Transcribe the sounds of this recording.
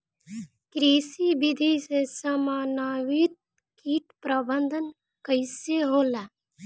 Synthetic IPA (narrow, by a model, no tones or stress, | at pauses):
kɾiːsibɪd̪ʱisesəmaːnaːwit̪̚ | kiːt̪pɾəbənd̪ʱən | kəɪseɦoːla